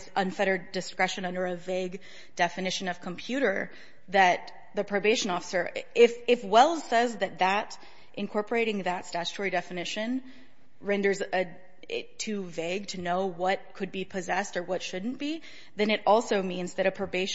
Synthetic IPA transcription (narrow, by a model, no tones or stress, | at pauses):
sʔʌ̃nfɛɾə˞dɨskɹɛʃɨ̃nʌ̃ndə˞ɨveɪɡ | d̥ɛfɨnɪʃɨ̃nʌv̥kʰə̃m̩pʰj̥ʉɾə˞ | ðɨt̪̚ | ðɨpʰɹ̥oʊbeɪʃɨ̃nɔfə̥sə˞ɪfɪfwɛlˠz̥sɛzðɨt̪̚ðəɾ | ʔɨ̃nkʰɔɹpə˞eɪɾɪ̃ŋðɨtstæt͡ʃɨ̥tʰɔɹidɛfɨnɪʃɨ̃n | ɹɛ̃ndə˞zɨ | ɪ̰ttʰʉveɪɡ̚tʰɨnoʊwʌt̚kʰɨd̚bipʰɨzɛstə˞wʌtʃʊdⁿn̩b̥i | ðɨ̃nɨɾʔɔlˠsoʊmĩnzðɨɾɨpʰɹ̥oʊbeɪʃ